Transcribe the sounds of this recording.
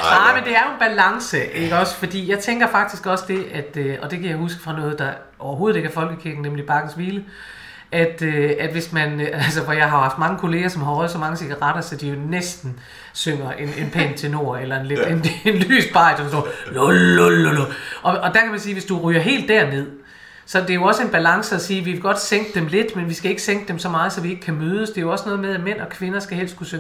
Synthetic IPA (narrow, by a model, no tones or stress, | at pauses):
nɑ̈ɪmend̥e̝æɐjo̝enb̥ælɑ̈ŋsəʔeɡ̥əɒ̽sfɒ̽d̥ḭːjɑ̈ɪt͡sʰeŋɡ̥ɐfɑ̈ɡ̥̚d̥isɡ̥ɒ̽sd̥e̝ʔæd̥øɒ̽d̥e̝kʰæjɑ̈ɪhusɡ̥ə̥fʁɑ̈nɔ̽ːð̩ˠd̥ɑ̈ | ʔɒʊɐɦo̝ːð̩ˠe̝ɡ̥æɐfɒ̽lɡ̥əkʰiɐɡ̥n̩nemlib̥ɑ̈ɡ̥n̩sʋiːlə | ʔæd̥øæd̥ʋe̝smænælsəʋɒjɑ̈ɪɦɑ̈hɑ̈fd̥̚mɑ̈ŋəkʰo̝le̝ːɐsɒ̽mɦɒð̩ˠsɒ̽mɑ̈ŋəsiɡ̥ɑʁɑd̥ɐsɒ̽d̥ijo̝nesd̥n̩ | søŋ̰ɐʔe̝ne̝npʰen̰t͡sʰe̝no̝ːɐ̰elɐenleenenly̰ːsb̥ɑ̈ɪ̰d̥ɒnsd̥ololooloɒ̽ɒ̽d̥æɐkʰæmænsiːʋe̝sd̥uʁyːɐɦe̝̰ːld̥æɐne̝ð̞̰ˠ | sɒ̽d̥e̝æjo̝ɒ̽səe̝nb̥ælɑ̈ŋsəɒsiːʋiʋe̝ɡ̥ɒ̽d̥seŋ̰ɡ̥əd̥emle̝d̥menʋisɡ̥æe̝ɡ̥əseŋ̰ɡ̥əd̥emsɒ̽mɑ̈ːð̞ˠsɒ̽ʋie̝ɡ̥əkʰæmøːð̞ˠəsd̥e̝æjo̝ɒ̽sənɔ̽ːð̞ˠmeð̞ˠæmen̰ɒ̽kʰʋe̝nɐsɡ̥æhel̰sd̥kʰusøŋ